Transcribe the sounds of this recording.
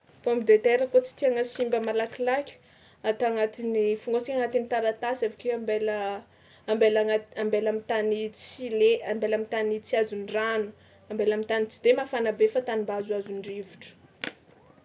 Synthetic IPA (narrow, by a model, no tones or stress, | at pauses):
pombid̪et̪eɾəkot͡si̥t̪iaŋəsimbəmalakilakʲ | at̪aŋat̪inifuŋɡat͡sikaŋat̪init̪aɾat̪asevikʲeambelə | ambelaaambelamit̪anit͡sileambelamit̪anit͡siazuniranu̥ | ambelamit̪anit͡si̥d̪emafanabefat̪animbazwazunɖ͡ʐivuʈ͡ʂə̥